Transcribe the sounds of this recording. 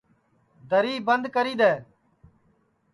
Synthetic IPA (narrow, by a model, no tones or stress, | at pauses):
d̪ʱəɾiːbənd̪kəɾiːd̪ɛː